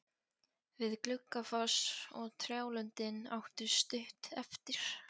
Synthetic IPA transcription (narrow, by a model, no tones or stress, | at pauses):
vɪðklʏkːafɔsɔɣt̪ʰɾjaːwlʏnt̪ɪna̰wht̪ʏst̪ʏht̪ɛft̪ɪɾ̥